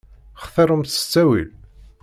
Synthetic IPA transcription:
χθəɾˤəmθə̥t͡sːæwḭl

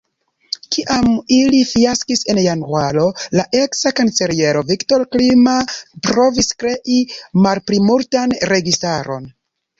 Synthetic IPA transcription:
kiʔamilifiaskise̞njanwalo̞laʔe̞ksakanse̞ɾije̞ɾo̞vikto̞ɾklimapɾo̞viskɾe̞ʔimalpɾimultanɾe̞ɡistaɾo̞̰n

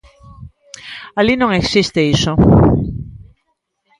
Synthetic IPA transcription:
alinõŋeksist̪eiso

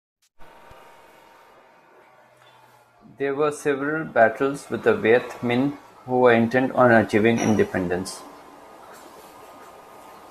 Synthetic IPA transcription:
d̪eːɾʋəɾseʋɾəlbæʈʰəlzʋɪd̪əʋeːt̪ʰmɛ̃n | huːʋəɾɪ̃ɳʈɛ̃ɳɖɔ̃ːnət͡ʃiːʋɪ̃ŋɪ̰̃ɳɖɪpɛ̃ɳɖə̃ns

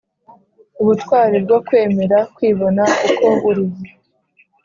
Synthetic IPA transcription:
uβutkwaːɾib̚ɡwakwe̞ːme̞ɾakwiːβo̞naukʰo̞uɾiβu

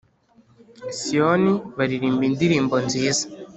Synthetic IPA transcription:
sioniβaɾiɾiːmbindiɾiːmbonziːza

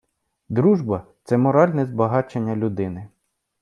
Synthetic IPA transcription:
d̪ɾuʒbɐt̪sɛmɔɾɑlʲnɛzbɐɦɑt͡ʃenʲːɐlʲʊd̪ɪnɪ

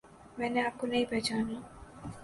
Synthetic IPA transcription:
mɛ̃ːneaːp̚konɐɦĩpɛːt͡ʃaːnaː

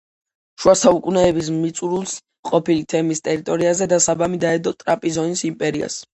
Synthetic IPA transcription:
ʃuasaukʼunɛːbis̬mit̪sʼuɾulˠs | qʼɔpilit̪ʰɛmist̪ʼɛɾit̪ʼɔɾiazɛd̪asabamid̪aɛd̪ɔt̪ʼɾapʼizɔnisimpʼɛɾia̰s

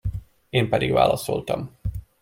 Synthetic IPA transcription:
eːmpɛd̪iɡʋa̰ːlɒso̞lt̪ɒm

